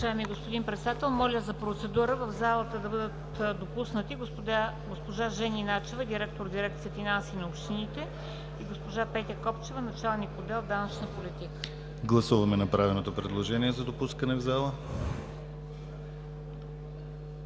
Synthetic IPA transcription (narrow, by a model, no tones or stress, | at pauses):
ʒaɛmiɡospod̪inpɾɛt̪sɛd̪at̪ɛlˠmɔlʲəzɐpɾot̪sɛd̪uɾəvəvzalˠət̪əd̪ɐbɤd̪ət̪ | d̪opusnət̪iɡo | ɡospoʒaʒɛninat͡ʃɛvəd̪iɾɛk̚t̪oɾd̪iɾɛk̚t̪sijəfinansinɐopʃt̪init̪ɛ | iɡospoʒapɛt̪ʲəkɔpt͡ʃɛvənɐt͡ʃalˠnikod̪ɛlˠd̪anət͡ʃnəpolʲit̪ikə̥ | ɡlˠɐsuvɐmɛnɐpɾavɛlnot̪opɾɛd̪lˠoʒɛniɛzɐd̪opuskənɛvzalˠə